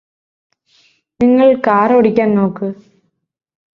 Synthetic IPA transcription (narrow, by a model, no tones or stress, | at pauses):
nɪŋːɐɭkaːɾoːɽɪkʲːaːnnoːkːɯ